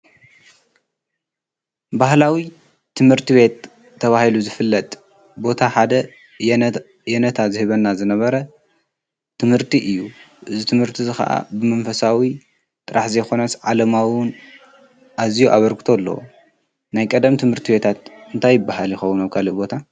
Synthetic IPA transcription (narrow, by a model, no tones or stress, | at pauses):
bahlawi | t̪ʰɨmhɨɾt̪ʰiβe̞t̪ʰː | ɐβahiluzɨfɨlːɐt̪ʼ | bo̞t̪ʰaħad̪ɐ | jɛnɐt̪ʰazɨhɨβɐnːazɨnɐβɐɾɐ | t̪ʰɨmhɨɾt̪ʰiʔɨjːuʔɨzit̪ʰɨmhɨɾt̪ʰizɨxɐ̰ʔa̰bɨmɐnfɐsawi | t̪ʼɨɾaħzɐjxo̞nɐsʕalɐmawʊn | ʔazijuʔaβɐɾɡɨt̪ʰo̞lːɐ̰w̰ | najkʼɐd̪ɐmt̪ʰɨmhɨɾt̪ʰibe̞t̪ʰat̪ɨnt̪ʰajːɪbːahaljɪxɐwunaβkʰalɨbo̞t̪ʰa